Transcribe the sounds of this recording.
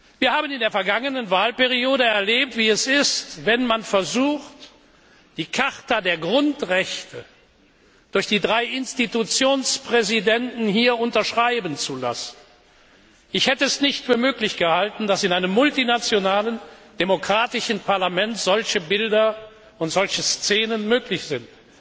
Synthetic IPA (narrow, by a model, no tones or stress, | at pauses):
v̥iːɐhaːbənɪndeːɐfɛɐɡaŋənənvaːlpeʁ̞ioːɾəɛɐleːp̚tv̥iːɛsɪstv̥ɛnmanfɛɐzuːxt | d̥iːkʰaʁtadeːɐɡʁʊntʁɛçtʰə | d̥ʊɐçd̥iːdʁaɪʔɪnstitut͡sjoːnspʁ̥ɛzidɛntn̩hiːɐʊntɐʃʁ̥aɪbən̩t͡sula̰sn̩ | ʔɪçhɛtəɛsnɪçtfyːɐmøːklɪçɡ̥əhaltn̩dasɪnʔaɪnəmːʊltinat͡sjonaːlənd̥emokʁ̥aːtɪʃn̩pʰaɐlamɛntz̥ɔlçəbɪldɐ | ʊntz̥ɔlçəst͡seːnənmøːklɪçz̥ɪnt